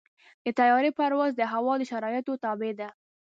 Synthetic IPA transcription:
d̪̥ət̪ajɑɾepaɾwazd̪əɦawɑd̪əʃaɾɑjət̪ot̪ɑbed̪a

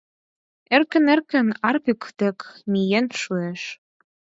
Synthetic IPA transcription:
ĕrkɘ̆nĕrkə̆nɑrpykt̪ĕkmijenʃueʃ

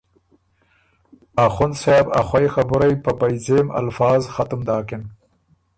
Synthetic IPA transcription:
axʊnsabaxwajxabʊɾajpəpajzema̰lfɑːzxat̪ʊmd̪ɑːkɪn

